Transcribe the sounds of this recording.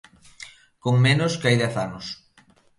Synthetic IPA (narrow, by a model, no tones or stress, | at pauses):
koŋmenʊskajðɛθanʊs